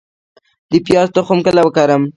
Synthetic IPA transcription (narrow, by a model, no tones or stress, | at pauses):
lipjɑzt̪oxʊmkəlawəkɑɾəm